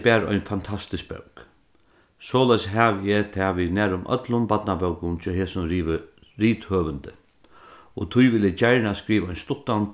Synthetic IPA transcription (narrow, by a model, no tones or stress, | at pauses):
bæːɾɔ̰jnfant̪ʰast̪ɪsk̚bœ̰wk | sɔːlaɪjsɦaːʋjɛt̪ʰaːʋiðnæːɾʊmʔœ̰t̪lʊmbat̪nabœwkʊnt͡ʃʰɔɦɛːsʊnː | ɾiːt̪høːʋənd̪ə | ɔt̪ʰʊjʋɪlɪt͡ɕajɹɳaskɾiːʋaɔjnst̪ʊt̪ːant̪